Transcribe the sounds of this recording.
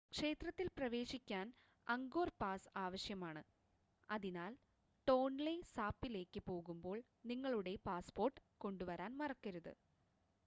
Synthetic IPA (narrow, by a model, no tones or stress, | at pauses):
kʂe̞ːt̪rɐt̪ːilprɐʋe̞ːɕikʲːaːn | ɐŋɡo̞ːrpaːsaːʋɐɕjɐmaːɳɨ | ɐðinaːl | ʈo̞ːnlesaːpːile̞ːkːɨpo̞ːɣumbo̞ːɭ | niŋːɐɭuɽe̞paːspo̞ːrʈːɨ̥ko̞ɳɖuʋɐɾaːnmɐrɐkːɐɾuðɨ̰